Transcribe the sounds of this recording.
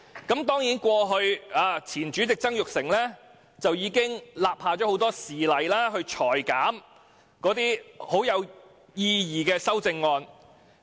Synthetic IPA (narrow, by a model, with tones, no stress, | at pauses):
kɐ˨˦˥mt̪ɔː˥ŋjiː˨˥nkʷɔː˧ɦɵ˧ɥaː˨˧t͡sʰiː˨˩nt͡ʃyː˨˥t͡sɪ˨k̚t͡sɐ˥ŋjʊ˨k̚sɪ˨˩ŋlɛː˥ | t͡sɐ˨wjiː˨˧kɪ˥ŋlaː˨p̚haː˨˧t͡ʃɔː˨˥ho˨˥wt̪ɔː˥siː˨lɐ˨jlaː˥ɦɵ˧ɥt͡ʃʰɔː˨˩jkaː˨˥m | kɔː˨˥t̪iː˥ho˨˥wjɐ˨˧w | jiː˧jiː˨kɛː˧sɐ˥wt͡sɪ˧ŋːɔː˧n